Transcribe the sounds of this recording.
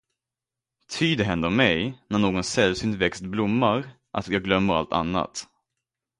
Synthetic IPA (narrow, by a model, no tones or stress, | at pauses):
t̪ʰyːd̪ɛɦɛnd̪əɾɔmːɛjnæɳoːɡɔnsɛlvsyːnt̪vɛkst̪̚blʊmːaɾ | ʔa̰t̪jɑːɡlœmːəɾa̰lt̪a̰nːa̰t̪